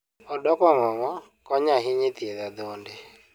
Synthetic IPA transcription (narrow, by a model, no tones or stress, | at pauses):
ɔdɔkwɔŋɔŋɔ | kɔɲaɦɪɲɪt̪eðad̪onde